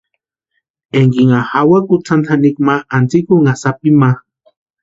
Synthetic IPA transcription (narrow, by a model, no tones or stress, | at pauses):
eŋɡiŋahawakut͡sʰant̪ʰanikmaːnt͡sikuŋasapima